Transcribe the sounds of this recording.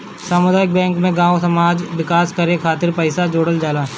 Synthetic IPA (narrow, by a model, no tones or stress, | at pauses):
saːmʊd̪aːɪk̚bɛ̃ːŋkmẽɡãːõsɐmaːd͡ʒʋɪkaːskɐɾekʰaːt̪ɪɾpɛɪsad͡ʒoːɽəld͡ʒaːlaː